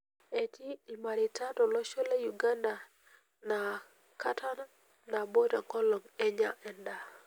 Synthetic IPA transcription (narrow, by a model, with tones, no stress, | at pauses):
e˨ti˦i˨ma˨ɾɪ˨ta˦tɔ˨lɔ˦ʃɔ˦le˦ju˨ɡa˦nda˨ | na˨ | ka˦ta˦na˦ | na˨bo˦ta˨ŋkɔ˦lɔ˨ŋɛ˦ɲa˦ʔɛ˨nda˨